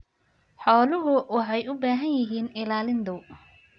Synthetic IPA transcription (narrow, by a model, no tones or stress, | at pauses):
ħɔːlʊɦʊwɑħɑjʊbaːɦɐnjɪɦiːnɪlaːlɪnd̪ʊ